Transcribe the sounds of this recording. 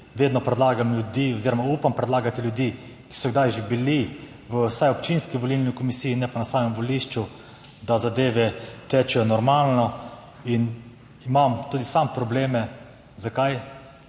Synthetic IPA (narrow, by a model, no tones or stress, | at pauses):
ʋeːd̪nɔpɾɛd̪laːɡamljud̪iɔziːɾɔmaupampɾɛd̪laːɡat̪iljud̪iː | ki̥sɔɡd̪ajʒebili | ʋəsajɔpt͡ʃinskiʋɔlilnikɔmisijinɛpanasaːmɛmʋɔliʃt͡ʃu | d̪azad̪eːʋɛt̪ɛt͡ʃɛjɔnɔɾmaːlnɔ | in | imamt̪uːd̪isampɾɔbleːmɛ | zakaj